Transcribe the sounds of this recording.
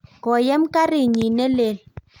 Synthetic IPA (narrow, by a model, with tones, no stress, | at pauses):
kɔ˨jɛ˦m˦ka˦ɾi˦˨ɲi˨nɛ˦le˦˨l